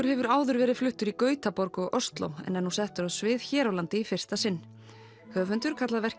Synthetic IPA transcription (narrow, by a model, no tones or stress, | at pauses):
ʏɾ̥hɛvʏɾaːwðʏɾvɛːɾɪðflʏht̪ʏɾikœːɥt̪apɔɾkɔɣœst̪lo̰wɛ̰nːɛnhusɛht̪ʏɾawsvɪːðçɛːɾawlant̪ɪifɪr̥t̪asɪnː | hœːvʏnt̪ʏɾ̥kʰat̪laðvɛr̥